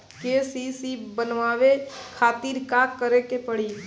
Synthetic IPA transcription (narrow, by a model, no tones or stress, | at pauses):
keːsisibənʋaːʋekʰaːt̪iːɾkaːkːəɾekepəɽi